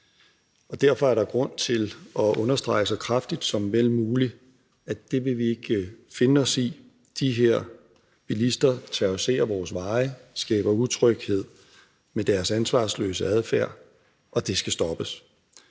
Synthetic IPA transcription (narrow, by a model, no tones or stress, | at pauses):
ɒ̽d̥æɐfɒ̽æɐɾ̥ɑ̈ɡ̥ʁɔ̽n̰t͡sʰe̝lɒ̽ʔɔ̽nɐsd̥ʁɑ̈ɪəsɑ̈ɪkʰʁɑfd̥id̥sɒ̽mʋel̰muːli | æd̥e̝ʋe̝ʋie̝ɡ̥əfe̝nəɒ̽si | d̥iɦeɐ̰ | b̥ilisd̥ɐt͡sʰæʊse̝̰ːɐʋɒːsʋɑ̈ːɪəsɡ̥ɛ̰ːb̥ɐut͡sʰʁœɡ̥he̝ð̞̰ˠ | med̥æɐsænsʋɑ̰̈ːslø̰ːsəæð̞ˠfæɐ̰ | ʔɒ̽d̥e̝sɡ̥æsd̥ɒ̽b̥əs